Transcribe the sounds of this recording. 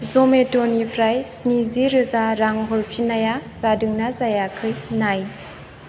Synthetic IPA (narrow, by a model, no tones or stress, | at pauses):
zɔmetɔnipʰɾajsniziɾɯzaɾaŋɦɔlpʰinajaz̥adɯŋnazajakʰɯjnaj